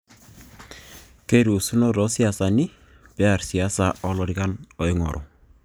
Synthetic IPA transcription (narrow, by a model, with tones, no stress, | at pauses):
ke˦ɾu˨su˦nɔ˦ɾɔ˨˦si˦a˨sa˨ni˦ | pɛ˦a˨ɾsi˨a˨˦sa˨ʔɔ˨lɔ˨ɾi˨ka˦nɔ˨jŋɔ̰˨ɾʔɔ̰˨